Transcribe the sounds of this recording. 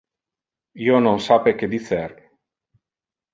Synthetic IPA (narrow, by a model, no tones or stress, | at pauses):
iononsapeked̪iθɛr